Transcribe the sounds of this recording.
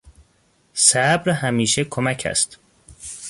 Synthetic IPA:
sæbɾhæmiːʃekʰomæcʰæ̰st̪

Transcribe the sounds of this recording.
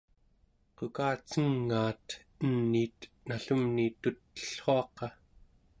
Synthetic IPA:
qokaːt͡səŋːaːt̪ | ənːiːt̪ | naɬumnit̪ut̪ːə̥ɬχo̞ɑqɑ

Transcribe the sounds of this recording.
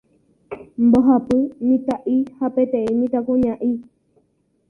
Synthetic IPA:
mboɦapɨmĩt̪aʔihapet̪eimĩt̪akuɲãʔĩ

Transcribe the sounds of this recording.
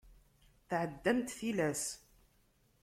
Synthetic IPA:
θʕəd̪ːæmt̪θilæs

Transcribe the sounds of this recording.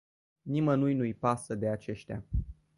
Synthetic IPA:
nimənujnujpasəd̪e̞at͡ʃe̞ʃt̪ʲa̰

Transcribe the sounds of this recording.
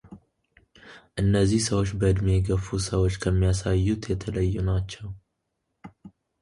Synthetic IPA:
ʔɨnːəzːihsəwo̞t͡ʃːbəɨd̪meɛɡəfusəwo̞t͡ʃːkʰəmːijasajːut̪jɛt̪ʰələjːunat͡ʃːɛw

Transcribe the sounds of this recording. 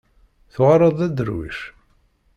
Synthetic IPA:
θʊʁɾˤəðˤæd̪əɾwḭʃ

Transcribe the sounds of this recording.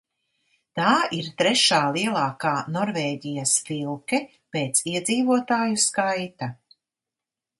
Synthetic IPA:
t̪aːiɾt̪ɾɛʃaːlˠiɛlˠaːkaːnɔɾvɛːɟijɐsfilˠkɛ | peːt̪siɛd̪ziːvuɔt̪aːjuskajt̪ɐ

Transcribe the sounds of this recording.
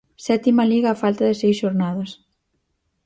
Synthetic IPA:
sɛt̪imɐliɣaːfalt̪ɐðɪsejsʃoɾnaðɐs

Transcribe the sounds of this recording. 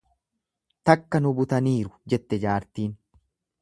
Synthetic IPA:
t̪ɐkːɐnʊbʊt̪ɐniːɾʊ̥d͡ʒɛt̪ːɛd͡ʒaːɾt̪iːn

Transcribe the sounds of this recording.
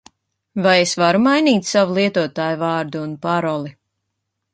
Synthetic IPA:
vajesvaɾumajniːt̪ʲsavulˠiɛt̪uɔt̪aːjuvɑːɾd̪uːnpaɾɔlˠi

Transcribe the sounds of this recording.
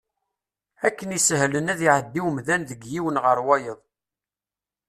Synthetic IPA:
ækːənisəɦlənæðiʕəd̪ːiwəmðænðəɡjiwənʁəɾwæjəðˤ

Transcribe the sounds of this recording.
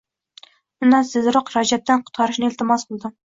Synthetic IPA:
unɑsɪzɾoqɾɑd͡ʒɛp̚t̪ɛnqʰʊ̥t̪̚qʰɑɾɨʃnɨɪlt̪ɪmɑsqʰəlˠɨd̪ɨ

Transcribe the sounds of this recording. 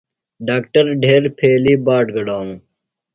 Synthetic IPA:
ɖaːkʈəɾɖʱeːɾpʰeːliːbaːʈɡɐɖaːnũ

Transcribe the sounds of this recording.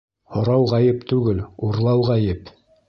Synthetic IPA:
hŏɾɑwʁæjɘpt̪ʉɡɘluɾlˠɑwʁæjɘp

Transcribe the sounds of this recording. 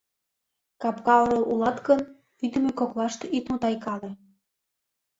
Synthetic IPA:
kɑpkɑoɾɤlulɑt̪kən | vid̪əmekoklɑʃt̪eʔit̪mut̪ɑjkɑle

